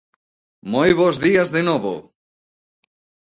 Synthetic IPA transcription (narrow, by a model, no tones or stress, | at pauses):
mojβozðiazðenɔβo̰